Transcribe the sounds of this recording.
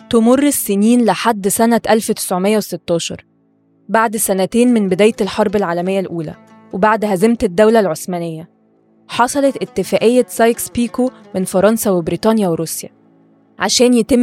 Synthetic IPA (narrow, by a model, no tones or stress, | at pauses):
t̪omorːesːeniːnlɪħad̪ːsænæʔælfwet̪ɪ̥sʕomejːæweset̪ːɑːʃɑɾˤ | baʕd̪sænæt̪eːnmenbed̪æːjt̪elħɑɾˤbelʕaːlæmejːælʔuːlæ̰ | webaʕd̪hæzemt̪ed̪ːæwlælʕosmænejːæ | ħɑsˤɑlɑt̪ʔet̪ːɪfæːʔejːæsɑjkspiːko | menfɑɾˤɑnsæwebɾiːt̪ˤɑnjæweɾusjæ̰ | ʕaʃæːnjet̪emː